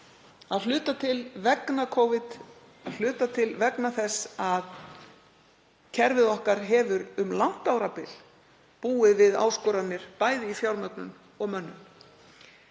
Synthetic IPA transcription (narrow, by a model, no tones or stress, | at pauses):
aðlʏːt̪at̪ʰɪlvɛknakʰɔwvɪt̪ | l̥ʏːt̪at̪ʰɪlvɛknaθɛsað | cʰɛɾvɪðɔhkaɾ̥ɦɛːvʏɾʏmlan̥t̪awɾapɪl | puːɪvɪða̰wskɔɾanːɪɾ̥paːjðɪifjawɾmœk̪nʏ̰n | ɔɣmœnːʏn